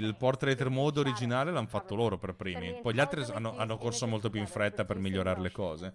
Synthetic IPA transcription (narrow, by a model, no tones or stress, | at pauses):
ilpɔrt̪ːɾejt̪ermod̪oɾid͡ʒinaːlelanfat̪ːoloːɾoperpɾiːmippɔjʎialt̪ɾianːoʔanːokorsomolt̪opjuiɱfɾɛt̪ːapermiʎːoɾaːɾelekɔːze